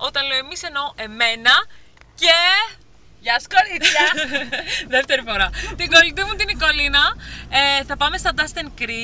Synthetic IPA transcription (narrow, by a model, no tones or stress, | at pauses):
o̞t̪ɐnleoemise̞no̞ʔe̞me̞nɐ | ce | ʝɐskoɾiçɐ | ðeft̪e̞ɾifo̞ɾɐt̪iɡo̞lit̪ivunt̪iniko̞linɐeθɐpɐme̞st̪ɐd̪ɐst̪enkɾi